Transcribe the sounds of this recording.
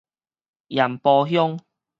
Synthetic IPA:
ja˨˩mpɔː˧ɦjʊ˥ŋ

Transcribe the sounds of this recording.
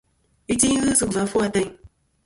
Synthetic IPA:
i˦ti˦ɲ˦ɣɨ˦sɨ˨va˨˦fu˦a˧tɛ˧ɲ

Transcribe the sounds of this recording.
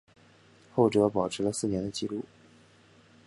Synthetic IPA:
xo˥˩ʊʈ͡ʂɤ˧˥pɑ˨˩ʊʈ͡ʂʰɻ̩˧˥lə˧sɹ̩˥˩njɛ˧˥nd̪ə˧t͡ɕi˥˧lu˥˩

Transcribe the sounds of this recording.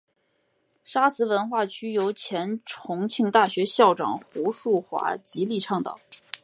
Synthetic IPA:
ʂa˥sɹ̩˧˥wə˧˥nxwa˥˩t͡ɕʰy˥jo˧˥ʊt͡ɕʰjɛ˧˥nʈ͡ʂʰʊ˧˥ŋt͡ɕʰi˥˧ŋt̪a˥˩ɕɥɛ˧˥ɕjɑ˥˩ʊʈ͡ʂɑ̰˨˩ŋxu˧˥ʂu˥˩xwa̰˧˥t͡ɕi˧˥li˥˧ʈ͡ʂʰɑ˥˩ŋt̪ɑ̰˨˩˦

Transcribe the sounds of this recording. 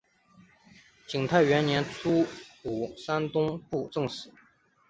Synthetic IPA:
t͡ɕi˨˩ŋt̪ʰa˥˩ɪɥɛ˧˥nnjɛ˧˥nt͡sʰu˥u˨˩sa˥nt̪ʊ˥ŋpu˥˧ʈ͡ʂɤ˥˧ŋsɹ̩˨˩˦

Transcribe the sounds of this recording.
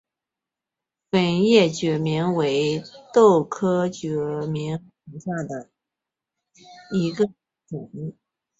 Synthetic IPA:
fə˧˥˩njɛ˥˩t͡ɕɥɛ˨˩mi˧˥ŋwe˧˥ɪt̪o˥˩ʊkʰɤ˥t͡ɕɥɛ˧˩mi˧˥ŋ | i˧˥ŋɕja˥˩d̪ə˩ | i˧˥ɡə˧ | ʈ͡ʂə˨˩ni˥˩

